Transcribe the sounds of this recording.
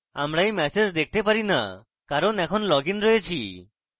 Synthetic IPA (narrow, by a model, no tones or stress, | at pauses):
a̰mɽajmɛsed͡ʒd̪ek̚ʰt̪epaɾina̰ | kaɾɔnɛkʰɔnlɔɡinɾɔjet͡ʃʰi